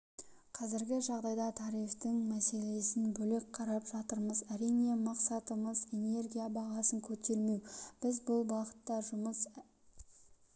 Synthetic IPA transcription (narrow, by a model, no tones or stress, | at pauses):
qʰɑzɪɾɡʲɪʒɑʁd̪ɑjd̪ɑt̪ʰɑɾijft̪ɪŋmæse̞le̞sɪnbɵlek̚qʰɑɾɑpʒɑt̪əɾməzæɾijne̞mɑqsɑt̪əməze̞ne̞rɡʲijabɑʁɑsəŋkʲʰɵt̪e̞ɾme̞wb̥ɪzbʊlˠbɑqə̥t̪ːɑʒʊməs